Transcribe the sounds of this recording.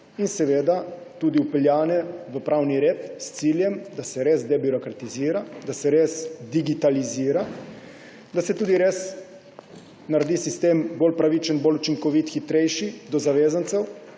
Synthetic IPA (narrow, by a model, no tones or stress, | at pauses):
insɛʋeːd̪a | t̪ud̪iupɛljaːnɛʋəpɾaːwniɾeːt̪st̪siːljɛmd̪asɛɾezd̪ebiɾɔkɾat̪iziːɾad̪asɛɾesd̪iɡit̪aliziːɾa | d̪asɛt̪uːd̪iɾeːs | naɾd̪isist̪eːmbolpɾaʋit͡ʃənbolut͡ʃiŋkɔʋit̪xit̪ɾɛjʃid̪ɔzaʋeːzant̪sɛw